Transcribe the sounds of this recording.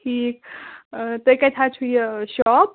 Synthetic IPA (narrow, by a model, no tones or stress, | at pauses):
ʈʰiːk̚ | t̪əjkatʰat͡ʃʰujeʃɔp̚